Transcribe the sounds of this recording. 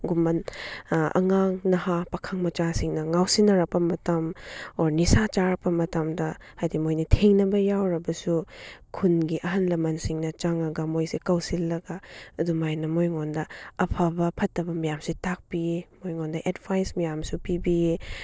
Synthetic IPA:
ɡumɐn | ɐ̰ŋaŋnɐhapɐkʰaŋmɐt͡ʃasiŋnɐŋawsinɐɾɐk̚pɐmɐtɐmoɾnisat͡ʃaɾɐpɐmɐtamdɐhajdimojnɐtʰeŋnɐbɐjawɾɐbɐsukʰunɡiʔɐɦɐnlɐmɐnsiŋnɐt͡ʃaŋɐɡɐmojsikɐwsilːɐɡɐɐdumajnɐmojŋondɐɐpʰabɐpʰɐtːɐbɐmɐjamsitak̚piemojŋondɐʔedbʰajsmɐjamsupibie

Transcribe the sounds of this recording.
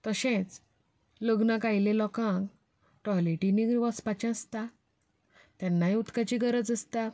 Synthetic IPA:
t̪əɕẽt͡s | ləɡnakajlelɔkãk | ʈɔliʈiniɡʋɔspat͡ɕãəst̪a | t̪janːaɦiut̪kat͡ɕiɡəɾəd͡zəst̪a

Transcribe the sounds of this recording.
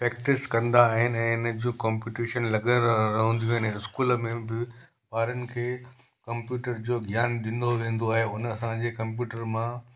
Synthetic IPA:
pɾɛːk̚ʈɪskɐ̃nd̪aːɦɪnɪ̆ɛ̃ːɪnəd͡ʑiũkaːmpuːʈiːʃənlɐɡəɾɐɦə̃nd̪ijũaɦɪnɪskuːləmẽbɪ | paːɾənɪ̆kʰeː | kɐ̃mpjuːʈəɾd͡ʑoːɡʱjaːnɗĩːn̆d̪oʋẽːn̆d̪oaːɦeʊnəɐsãd͡ʑeːkɐ̃mp̬juːʈəɾmã

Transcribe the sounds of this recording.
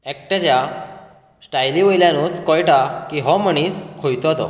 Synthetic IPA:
ek̚ʈət͡ɕja | sʈajliʋojljãnũːt͡skɔjʈakiɦɔməɳ̃iːskʰojt͡sɔt̪ɔ̰

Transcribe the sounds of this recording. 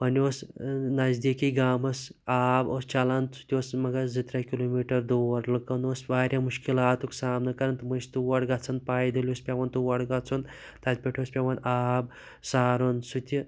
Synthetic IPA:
ʋɐnosnɐzd̪ikiɡaːmɐsaːbost͡ʃalant͡sʰu̥t̪ʲiosmɐɡɐzit̪ɾakʲiloːmiːʈɐɾd̪oːʋɐɾlɨkɐnosʋaːɾʲjamuʃkilaːt̪uksaːmnɨkɐɾɐnt̪ɨmɐst̪uʋɐɽɡat͡sʰɐnpaːjd̪ɐlʲospʲaʋɐnt̪uʋɐɽɡat͡sʰun | t̪at̪̚ʲpʲeʈʰoːspʲeʋɐnʔaːb | saːɾonsut̪ʲi

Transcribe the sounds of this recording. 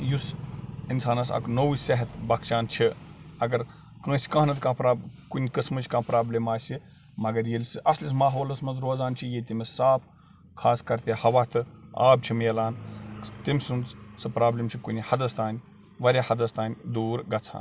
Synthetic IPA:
jusinsaːnɐsɐ̰kʰnowisɐɦɐt̪bɐkt͡ʃaːnt͡ʃʰiɐɡɐɾ | kə̃ːsʲi̥kɐ̃ːnɐt̪kãːpɾaːbkunʲkɨsmɨt͡ʃʰʲkãːpɾaːblimaːsʲi | mɐɡɐɾjilʲsɨʔɐslʲismaːɦoːlɐsmɐnzɾoːzaːnt͡ʃʰijet̪ʲimisaːp̚ | kʰaːskɐɾt̪ʲehɐʋaːt̪ʰɨa̰ːb̚t͡ʃʰimjɐlaːnt̪imʲsunt͡ssɨpɾaːblʲimt͡ʃʰikunʲihɐd̪ɐst̪aːnʲ | ʋɐɾʲahɐd̪ɐst̪aːnʲd̪uːɾɡɐt͡sʰa̰ːn

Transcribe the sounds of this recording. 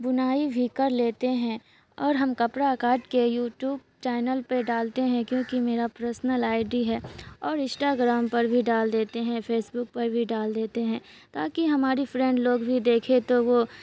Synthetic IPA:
bʊnaːibʱikɐɾleːt̪eɦɛ̃ | ɔːɾɦɐmkɐpɾakaːʈkejuːʈjuːb̚t͡ʃɛːnəlpeɖaːlt̪eɦɛ̃kjõːkimeːɾapɾəɾsnəlaːɪɖiɦɛːɔːɾɪ̃sʈaːɡɾaːmpɐɾbʱiɖaːld̪eːt̪eɦɛ̃pʰeːsbʊk̚pɐɾbʱiɖaːld̪eːt̪eɦɛ̃ | t̪aːkiɦɐmaːɾifɾɛ̃ːɳɖloːɡbʱid̪eːkʰet̪oʋo

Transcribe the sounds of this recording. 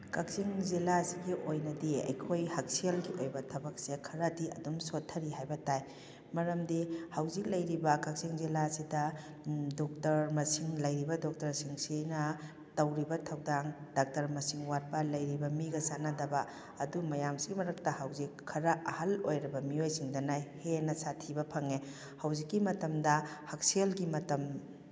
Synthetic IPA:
kɐk̚siŋzilasiɡiʔojnɐdiɐ̰jkʰojhɐk̚sielɡiojbɐtʰɐbɐk̚sekʰɐɾɐdiɐdumsotʰːɐɾiɦajbɐtaj | mɐɾɐmdihɐwzik̚lɐjɾibɐkɐk̚siŋzilasidɐ | dok̚tɐɾmɐsiŋlɐjɾibɐdok̚tɐɾsiŋsinɐ | tɐwɾibɐtʰɐwdaŋdak̚tɐɾmɐsiŋwat̚palɐjɾibɐmiɡɐsanadɐbɐː | dumɐjamsiɡimɐɾɐk̚tɐhɐwzikʰːɐɾɐʔɐhɐlojɾɐbɐmiojsiŋdɐnajhenɐsatʰibɐpʰɐŋe | hɐwzikːimɐtɐmdɐhɐk̚selɡimɐtɐm

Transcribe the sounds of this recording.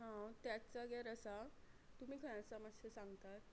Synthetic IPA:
ɦãt̪jat͡saɡaɾəsat̪um̤iːkʰəj̃əsamasesãŋɡt̪at̪

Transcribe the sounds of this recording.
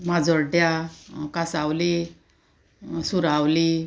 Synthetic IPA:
mad͡zɔɾɖjakasawli | suɾawli

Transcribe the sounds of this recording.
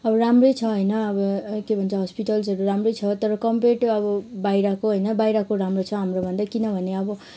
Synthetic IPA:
ʌbʌramrʌjt͡sʰʌɦʌjnʌːbʌkebʱʌnt͡sʰʌɦʌspiʈʌlsʌɾuɾamrʌjt͡sʰʌt̪ʌɾʌkʌmpeʈʌbʌbajɾakoɦʌjnʌbajɾakoɾamrot͡sʰʌɦamrobʱʌnd̪akinʌbʱʌneʌbʌ

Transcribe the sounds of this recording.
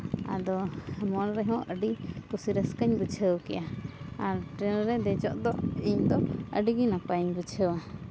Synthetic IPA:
a̰d̪ɔmɔnɾɛɦɔ̃ʔəɖikusiɾəskəɲbət͡ʃʰəwkɛ̰jaaɾʈɾɛnɾɛd̪ɛd͡ʒɔʔd̪ɔʔiɲd̪ɔə̰ɖiɡinapaɲbut͡ʃʰəwa

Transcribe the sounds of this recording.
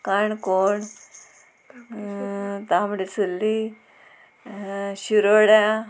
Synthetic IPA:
kaɳkoɳ | t̪amɽet͡sulːi | ɕiɾoɽa

